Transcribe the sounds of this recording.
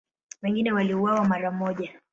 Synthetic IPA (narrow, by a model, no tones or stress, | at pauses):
wɛŋɡinɛwaliuwawamaɾamɔʄa